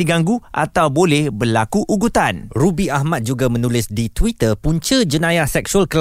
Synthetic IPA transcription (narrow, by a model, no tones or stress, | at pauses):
diɡaŋɡuʔa̰t̪awbolɛhbərlakuʔuɡut̪anrubiahmat̪̚d͡ʒuɡamənulɪsdit̪wit̪əpuɲt͡ʃəd͡ʒənãjasɛksualkəl